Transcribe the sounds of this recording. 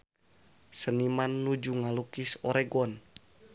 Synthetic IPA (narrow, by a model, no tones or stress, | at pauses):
sənimanːud͡ʒuŋalukisɔɾɛɡɔn